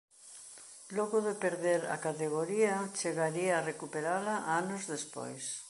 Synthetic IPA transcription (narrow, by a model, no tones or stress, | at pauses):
lɔɣʊðepeɾðeɾa̰kat̪eɣ̞oɾiat͡ʃeɣaɾiaːrekupeɾalaʔanozðespo̰js